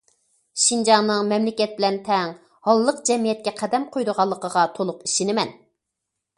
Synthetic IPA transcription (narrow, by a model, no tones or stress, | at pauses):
ʃind͡ʒɑŋnɨŋmɛmlɪkʲɛt̪̚bɪlɛnt̪ʰɛŋ | hɑlˠːəq̚d͡ʒɛmijɛt̪̚kʲɛqʰæd̪ɛmqʰojd̪ʊʁɑlˠːəqʰəʁɑt̪ʰolˠʊqiʃinɪmɛn